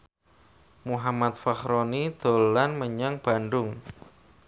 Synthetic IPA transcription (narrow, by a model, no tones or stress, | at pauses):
muɦamat̪̚faxɾonid̪̥o̤lanməɲaŋb̥a̤nɖʊŋ